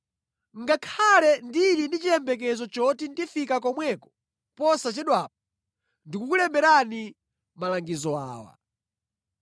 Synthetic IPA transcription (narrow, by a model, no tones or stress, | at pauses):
ŋɡakʰalɛndiɾinit͡ʃiɛmbɛk̬ɛzɔt͡ʃɔtindifikak̬ɔmwɛkɔ̥ | pɔsat͡ʃɛɗwaːp̚ɔ | ndikukulɛmbɛɾani | malaŋɡizɔa̰ːwa̰